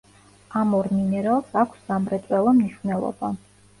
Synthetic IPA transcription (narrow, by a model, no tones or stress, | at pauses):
amɔɾminɛɾalˠsakʷʰszamɾɛt̪sʼwɛlˠɔmniʃvnɛlˠɔ̰ba